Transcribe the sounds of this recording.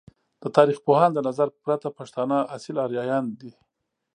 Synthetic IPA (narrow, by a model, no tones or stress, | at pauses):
d̪̥ət̪ɑɾiχpohɑnd̪ənazaɾpɾat̪apaʃt̪ɑnaʔasɪlɑɾjɑjɑnd̪i